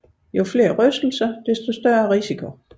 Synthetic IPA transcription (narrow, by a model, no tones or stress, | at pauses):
jofle̝ːɐʁœsd̥l̩sɐd̥esd̥o̝sd̥ɶɐʁisikʰo̝